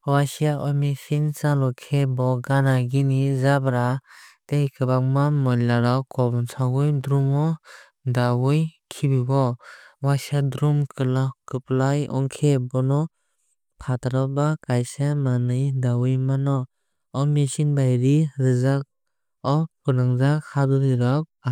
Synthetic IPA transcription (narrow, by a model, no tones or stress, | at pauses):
wasiaʔɔmesinsalɔkʰebɔɡanaɡinizabɾatejkʰɯbak̚mamɔjlaɾɔkɔbɔnsʰaɡujdɾumɔ | dawujkʰibibɔwasiadɾumkʰɯlakɯplajɔ̰ŋkʰebɔnɔ | pʰataɾɔbakajsamanɯjdawɯjmanɔ | ɔmesinbajɾiɾɯzak̚ | ɔkunaŋzakʰadɔɾiɾɔk̚